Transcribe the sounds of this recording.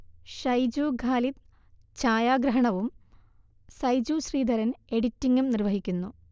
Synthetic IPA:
ɕɐjd͡ʑuːɡʱaːlit̪̚ | t͡ɕaːjaːɡɾɐɦɐɳɐʋum | sɐjd͡ʑuːɕriːd̪ʱɐɾɐne̞ɽitːiŋumnirʋɐɦikʲːunːu

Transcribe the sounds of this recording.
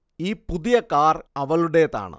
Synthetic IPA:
iːpuðijɐkaːrɐʋɐɭuɽeːt̪a̰ːɳɨ̰

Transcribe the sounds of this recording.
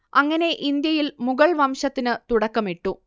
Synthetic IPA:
ɐŋːɐne̞ʔind̪jɐjilmuɣɐɭʋɐmɕɐt̪ːinɨt̪uɽɐkːɐmiʈːu

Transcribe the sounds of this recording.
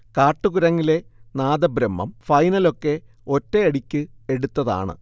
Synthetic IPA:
kaːʈːuɣuɾɐŋːile̞naːd̪ɐbɾɐmːɐ̰mfɐjnɐlo̞kːe̞ | o̞tːeɐɽikʲːɨe̞ɽut̪ːɐða̰ːɳɨ̰

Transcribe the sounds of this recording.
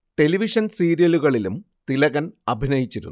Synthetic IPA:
ʈe̞liʋiʂɐnsiːɾijɐluɣɐɭilum | t̪ilɐɣɐnɐbʱinɐjit͡ɕːiɾunː

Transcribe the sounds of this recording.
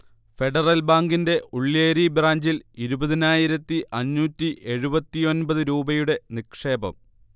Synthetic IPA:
fe̞ɖɐrɐlbaːŋɡinde̞ʔuɭːeːɾibraːɲd͡ʑiliɾubɐðinaːjiɾɐt̪ːiʔɐnːuːtːiʔe̞ɻubɐt̪ːijo̞nbɐðɨɾuːbɐjuɽe̞nikʂe̞ːbɐ̰m

